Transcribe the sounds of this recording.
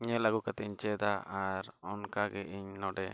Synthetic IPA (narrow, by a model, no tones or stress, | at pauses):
ɲɛlaɡukat̪iɲt͡ʃɛd̪aʔaɾɔnkaɡɛʔiɲnɔɖɛ